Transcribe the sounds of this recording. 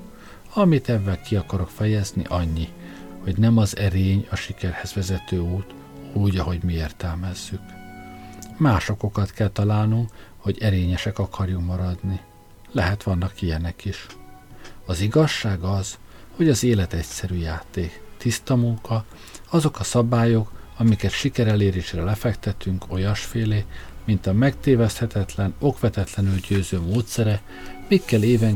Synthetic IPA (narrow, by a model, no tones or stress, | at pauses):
ɒmit̪ɛvːɛlkiɒkɒɾo̞kfɛjɛznḭʔɒɲːi | ho̞ɟnɛmɒzɛɾeːɲɒʃikɛrhɛzʋɛzɛt̪øːuːt̪ | uːɟɒɦo̞ɟmieːrt̪ɛlmɛz̥ːyk | maːʃo̞ko̞kɒt̪kɛlt̪ɒlaːlnuŋkho̞ɟɛɾeːɲɛʃɛkɒkʰɒrjukmɒɾɒd̪ni | lɛɦɛt̪ʋɒnːɒkijɛnɛkiʃ | ɒziɡɒʃːaːɡɒz̥ho̞ɟɒzeːlɛt̪ɛcsɛɾyːjaːt̪eːkt̪ist̪ɒmuŋkɒ | ɒzo̞kɒsɒbaːjo̞kɒmikɛt̪ʃikɛɾɛleːɾeːʃrɛlɛfɛkt̪ɛt̪yŋko̞jɒʃfeːleːmint̪ɒmɛkt̪eːvɛst̪hɛt̪ɛt̪lɛno̞kʋɛt̪ɛt̪lɛnylɟøːzøːmoːt̪sɛɾɛ | mikːɛleːvɛŋ